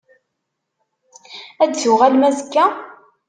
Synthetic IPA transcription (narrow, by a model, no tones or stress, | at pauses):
æd̪θʊʁælmæzəkːæ